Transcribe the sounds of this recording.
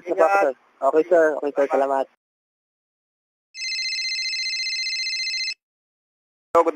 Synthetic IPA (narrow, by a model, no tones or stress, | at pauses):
sɛpapsɛ | ʔoːkɛjsɛɹoːkɛjsɛɹsɐlaːmat̪̚ | oɡʊd̪